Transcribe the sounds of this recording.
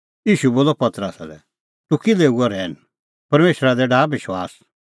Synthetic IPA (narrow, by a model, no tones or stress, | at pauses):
iːʃuboːlɔpɐt̪ɾəsa̰lɛ̰ | t̪ʊkileːuɔɾɛːn | pɐɾmeːʃɾad̪ɛɖaːbɪʃwa̰ːs